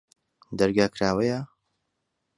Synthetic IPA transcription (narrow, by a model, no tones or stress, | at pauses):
d̪ɐɾɡaːkɾaːwɐja